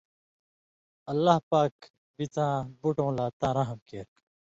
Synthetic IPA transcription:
ɐlːahpaːk | bit͡sãːbuʈõːlaːt̪ãːɾɐɦɐmkeːɾk

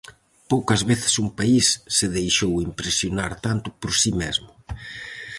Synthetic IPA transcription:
powkɐzβeθɪ̥sumpaisːɪðejʃowimpɾesjonaɾt̪ant̪ʊpoɾsimezmʊ

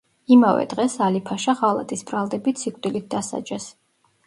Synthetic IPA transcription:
imavɛ̰d̪ʁɛsalipʰaʃaʁalˠa̰t̪ʼisbɾalˠd̪ɛbit̪sʰikʼt̪ʼilit̪̚d̪asa̰d͡ʒɛs

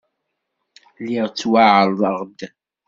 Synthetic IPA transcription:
liʁt͡sːwaʕəlðˤəʁd̪

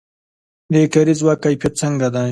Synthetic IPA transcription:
d̪ekaɾizwakːajpjat̪̚t͡səŋɡad̪a

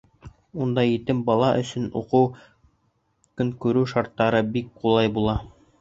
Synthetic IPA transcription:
und̪ɑjit̪ɘmbɑlˠɑʔɵ̰̆sɵ̆nṵqɤw | kɵŋkʉɾʉʃɑɾt̪ːɑɾɤbik̚qulˠɑjbulˠɑ

